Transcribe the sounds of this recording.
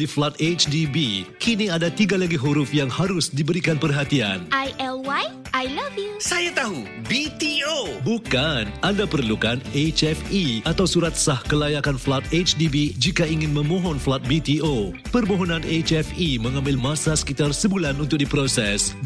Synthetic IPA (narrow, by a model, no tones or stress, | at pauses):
diflat̪̚et͡ʃdibikiniadat̪iɡalaɡiɦuɾʊfjaŋhaɾʊsdibəɾikanpərɦat̪ia̰nʔajɛlwaj | ʔajlavjusajat̪aɦu | bit̪iobukanandapərlukanet͡ʃɛfiat̪awsuɾat̪̚sahkəlajakanflat̪̚et͡ʃdibid͡ʒikaiŋɪ̃nmə̃mɔ̃ɦɔnflat̪̚bit̪io | pərmoɦɔnãnet͡ʃɛfimə̃ŋãmbɪlmasasə̥kit̪arsəbulanunt̪ʊk̚dipɾosɛs